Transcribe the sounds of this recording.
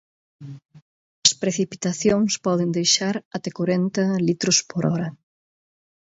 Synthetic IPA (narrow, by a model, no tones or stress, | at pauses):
ɐspɾeθipi̥t̪aθjoŋspɔðɪnd̪ejʃaɾat̪ɛkoɾɛnt̪ɐlit̪ɾʊspoɾɔɾɐ